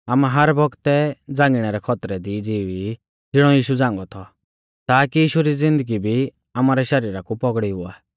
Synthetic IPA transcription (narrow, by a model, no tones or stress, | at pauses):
aːmaɦɐɾbɔɡt̪ɛd͡zãːŋɡiɽ̃ɛɾɛkʰɔt̪ɾɛd̪id͡ziːʋi | d͡zɪɽ̃ɔjiːʃud͡zãːŋɡɔt̪ʰɔ | t̪aːkijiːʃuɾizɪ̃nd̪əɡibʱi | aːmaɾɛʃɐɾiːɾakupɔɡɽiɦʊaː